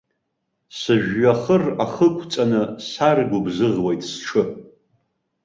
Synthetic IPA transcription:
sɨʒᶣːaχəraχəkʷʼʰt͡sʼanɨsarɡʷʊbzɨʁwejtʼsʈ͡ʂʰɨ

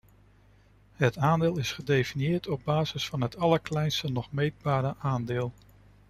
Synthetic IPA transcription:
ɦətaːndɪːlˠɪsχədejfinijɪːɹtɔb̚baːzɪsfɑnɦətɑləɹklɛjnstənɔχmejd̚baːɾəʔaːndɪːlˠ

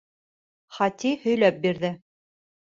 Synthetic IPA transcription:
χɑt̪ʲihɵ̆jlæp̚biɾðɘ

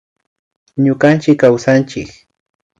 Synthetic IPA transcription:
ɲʊkant͡ʃɪkːawsant͡ʃɪk

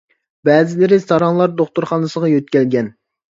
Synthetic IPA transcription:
bɛːzɪlɪɾɪst̪ɑɾɑŋlˠɑɾd̪oχt̪uɾχɑnɨsəʁɑjøt̪̚kʲɛlɡʲɛn

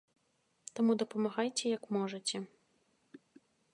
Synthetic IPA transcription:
t̪amud̪ɐpɐmaɣajt͡sʲɛjɐkmɔʐɐt͡sʲɛ

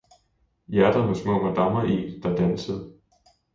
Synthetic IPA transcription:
jæɐd̥ɐmesmɔ̰̽ːmæd̥ɑ̈mɐʔḭ̥ːd̥ɑ̈d̥ænsəð̩ˠ

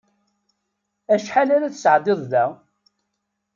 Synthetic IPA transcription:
æʃħalæɾæθəsʕd̪ˤɪðˤðæ

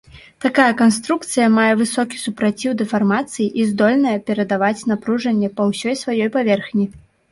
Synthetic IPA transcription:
t̪akajɐkanst̪ɾukt̪sɨjɐmajɛvɨsɔkʲi̥supɾat͡sʲiwd̪ɛfarmat̪sɨjiʔizd̪ɔlʲnɐjɐpʲɛɾɐd̪avat͡sʲn̪apɾuʐɐnʲːɛpɐwsʲɔjsvajɔjpavʲɛrxnʲi

